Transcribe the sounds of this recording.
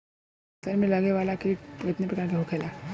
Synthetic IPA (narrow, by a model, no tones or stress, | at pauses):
sɐɾmẽlɐɡeʋaːlakiɪt̪nepɾɐkaːɾkeɦokʰeːlaː